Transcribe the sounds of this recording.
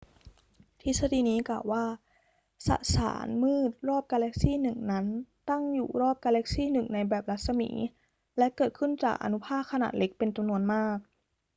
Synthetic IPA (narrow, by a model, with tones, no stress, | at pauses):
t̪ʰi˦˥sa˧di˧˨niː˦˥klaː˨˩wːaː˥˩ | sa̰˧˩ʔsa̰ː˩˦nmɯː˥˩t̪̚ɾɔː˥˩p̚kaː˧lɛ˦˥k̚siː˥˨nɯ˨˩ŋna˦˥nt̪a˥˩ŋjṵː˨˩ɾɔː˥˩p̚kaː˧le˦˥k̚siː˥˩nɯ˨˩ŋna˧jbɛː˨˩p̚la˦˥t̪̚sa˧mḭː˩˦ | lɛ˦˥kɤː˨˩t̪̚kʰɯ˥˩nt͡ɕaː˨˩k̚ʔa̰˧nu˦˥pʰaː˥˩t̚kʰa˧na̰ː˨˩t̪̚le˦˥k̚pe˧nt͡ɕa˧mnu˧ənmaː˥˩k̚